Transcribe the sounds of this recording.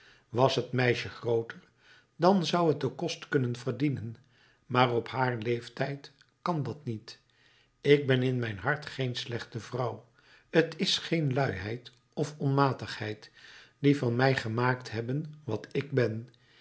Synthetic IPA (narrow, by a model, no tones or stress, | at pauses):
ʋɑsɦətmɛjʃəχrowtəɹ | dɑnzʌwət̚dəkɔstkɵnənvəɹdinən | maːrɔphaːɹlejftɛjt | kɑndɑtnit | ɪɡ̚bɛnɪnmɛjnɦɑɹtχejnslɛχtəvrɑw | ətɪsχejnlœɥɦɛjt | ɔfɔnmaːtəχhɛjtdivɑnmɛjχəmaːktɦɛbənʋɑtɪɡ̚bɛn